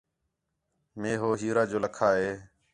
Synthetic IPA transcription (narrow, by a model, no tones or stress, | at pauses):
meːɦoːɦiːɾaːd͡ʒoːləkʰaːɦeː